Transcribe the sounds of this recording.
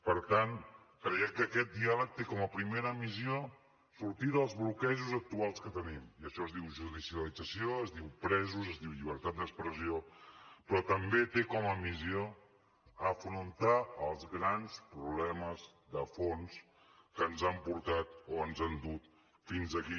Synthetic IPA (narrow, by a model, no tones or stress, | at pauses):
pəɾt̪an | kɾɛjɛkəːkɛt̪̚d̪ialək̚t̪ekɔməpɾimeɾəmizio | suɾt̪iðəlˠzβlukɛʒuzək̚t̪ualˠskət̪ənimiəʃɔəzdiwʒuðisiəlid͡zəsioəzd̪iwpɾɛzuzəzd̪iwʎiβ̞əɾt̪at̪̚d̪əkspɾəziopɾɔt̪əmbet̪ekɔməmizio | əfɾunt̪aːlˠzɣɾanspɾuβlɛməz | ðəfons | kənzampuɾt̪at̪oənzand̪ut̪ | finzəki